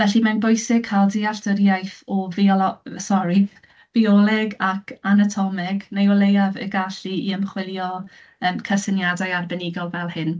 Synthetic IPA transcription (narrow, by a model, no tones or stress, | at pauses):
vɛɬimanbʊjsɪɡ̥̚kʰalˠdiaɬtəɾjajθɔviɔɔsɔɾi | v̥iɔlˠɛɡakʰanatʰɔmɛɡnejɔlˠejavə̰ɡaɬiiəmχwɪlˠjɔ | əmkʰəsənjadajarbɛnɪɡɔlˠvɛlˠhɪn